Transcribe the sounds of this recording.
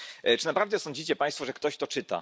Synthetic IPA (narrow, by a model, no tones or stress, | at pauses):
t͡ʂɘnapɾavd̪ɛsɔ̃ɲd͡ʑit͡ɕɛpãj̃st̪fɔʐɛkt̪ɔɕt̪ɔt͡ʂɘt̪a̰